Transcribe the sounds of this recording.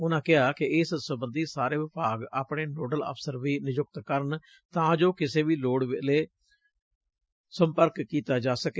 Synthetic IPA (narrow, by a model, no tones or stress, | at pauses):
ʊnãːkɪɦaːkɪɪːssəbənd̪iːsaːɾeːʋɪbaːɡaːpɳeːnoːɖələ̰ːpʰsəɾʋiːnɪd͡ʒʊk̚t̪kəɾən | t̪ãːd͡ʒoːkɪseːʋiːloːɽʋɪleː | sə̃mpəɾkːiːt̪aːd͡ʒaːsəkeː